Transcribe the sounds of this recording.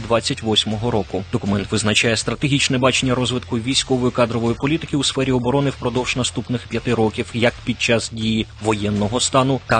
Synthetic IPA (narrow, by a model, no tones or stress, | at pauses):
d̪ʋɑt͡sʲːɐtʲʋɔsʲmɔɦɔɾɔkʊd̪ɔkʊmɛnt̪ʋɪznɐt͡ʃajɛst̪ɾɐt̪eɦʲit͡ʃnɛbɑt͡ʃenʲːɐɾɔzʋɪt̪kʊjʋʲijsʲkɔʋɔjʊkɑd̪ɾɔʋɔjipɔlʲit̪ɪkʲɪusfɛɾʲiɔbɔɾɔnɪwpɾɔd̪ɔwʒ̥nɐst̪upnɪxpʲjɐt̪ɪɾɔkʲiwjɐkpʲid̪̚t͡ʃɑsdʲijiʋɔjɛnːɔɦɔst̪ɑnʊt̪ɐ